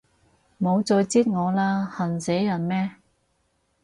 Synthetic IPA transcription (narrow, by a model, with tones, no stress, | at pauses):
mo˨˧wt͡sɔː˧jt͡siː˥t̚ŋɔː˨˧laː˥hɐ˨˩nsɛ˨˥jjɐ˨˩nmɛː˥